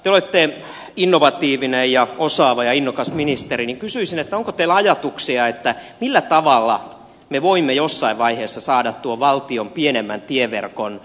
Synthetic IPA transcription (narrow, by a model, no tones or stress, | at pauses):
t̪eolet̪ːe | inːoʋɑt̪iːʋinejjɑosɑːʋɑjɑinːokɑsminist̪eriniŋkysyisinet̪ːæoŋkot̪eilɑjɑt̪uksiɑet̪ːæmilːæt̪ɑʋɑlːɑ̰ | meʋoimːejosːɑiʋʋɑiheːsːɑsɑːdɑt̪t̪uoʋʋɑlt̪iompienemːæ̰nt̪ieʋḛrkon